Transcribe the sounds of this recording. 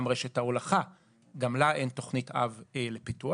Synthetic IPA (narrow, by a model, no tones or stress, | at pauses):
mʁeʃe̞thaolaχa | ɡamlaʔe̞nto̞χnita̰velepitu